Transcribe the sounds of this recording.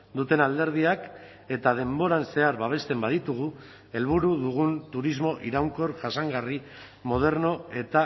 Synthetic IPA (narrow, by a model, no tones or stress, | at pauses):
d̪ut̪e̞nald̪e̞ɾð̞iak | e̞t̪að̞e̞mbo̞ɾanse̞aɾβaβ̞e̞st̪e̞mbaðit̪uɣ̞u | e̞lβuɾuðuɣ̞unt̪uɾizmo̞ʔiɾawŋko̞ɾʝasaŋɡari | mo̞ð̞e̞ɾno̞e̞t̪a